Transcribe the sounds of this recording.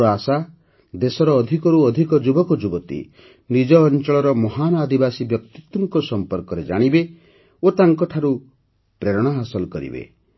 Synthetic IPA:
asa | d̪esɔɾɔːd̪ʱikɔɾuɔd̪ʱikɔd͡ʒubɔkɔd͡ʒubɔt̪ḭ | nid͡ʒɔːnt͡ʃɔɭɔɾɔmɔɦanɔad̪ibasibjɔkt̪it̪wɔŋkɔsɔmpɔɾkɔɾed͡ʒa̰ɽ̃ibe | ot̪aŋkɔʈʰaɾu | pɾeɾɔɽ̃aɦasɔlkɔɾḭbḛ

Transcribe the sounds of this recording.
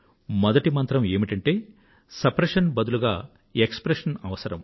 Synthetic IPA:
mɔd̪ɐʈimɐnt̪ɾɐme̞ːmiʈɐɳʈe̞ː | sɐpɾɐʂɐnbɐd̪uluɡaː | ekspɾeʂɐnɐʋɐsɐɾɐm

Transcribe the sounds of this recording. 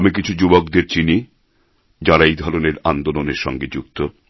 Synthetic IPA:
mik̬it͡ɕʰud͡ʑubokd̪eɾt͡ɕini | d͡ʑaɾaejd̪ʱɔɾoneɾand̪oloneɾʃɔ̰ŋɡed͡ʑukt̪o

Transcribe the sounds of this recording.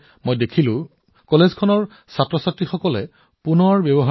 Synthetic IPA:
mojdekʰilʊ̃ | kɔlezkʰɔnɔɹ | satɹɔsatɹixɔkɔlɛ̰ | punɔɹbjɔbɔɦa

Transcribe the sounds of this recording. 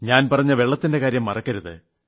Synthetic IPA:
ɲaːnpɐrɐɲːɐʋe̞ɭːɐt̪ːinde̞kaːɾjɐmːɐrɐkːɐɾuðɨ̰

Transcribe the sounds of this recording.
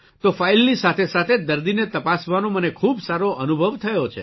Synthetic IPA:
t̪ofailnisat̪ʰesat̪ʰed̪əɾd̪inet̪əpasʋanõmənekʰubsaɾoʔənubʱəʋt̪ʰəjot͡ʃʰḛ

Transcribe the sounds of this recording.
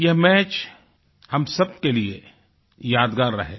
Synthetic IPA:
jɐɦmɛːt͡ʃ | hɐmsɐb̚kelie | jaːd̪ɡaːɾːɐ̰ɦeː

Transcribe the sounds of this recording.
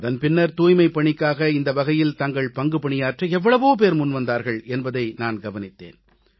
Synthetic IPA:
ɐðɐnpɪnːɐɾt̪uːjmɐɪpːɐɳɪkːaːɣɐɪnd̪ɐʋɐɣɐjɪlt̪ɐŋɡɐɭpɐŋɡɯpɐɳɪjaːʈrɐɛʋːɐɭɐʋoːpeːɾmʊnʋɐnd̪aːɾɣɐɭɛnbɐðɐɪnaːnɡɐʋɐnɪt̪ːḛːn

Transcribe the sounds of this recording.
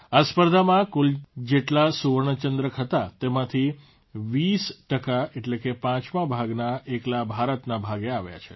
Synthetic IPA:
aspəɾd̪ʱamãkuld͡ʒeʈlasuʋəɾɳ̃ət͡ʃənd̪ɾəkʰɦət̪at̪emãt̪ʰi | ʋisʈəkaeʈlekepãt͡ʃmãbʱaɡnaʔeklabʱaɾət̪nabʱaɡeaʋja̰t͡ʃʰe̥̰

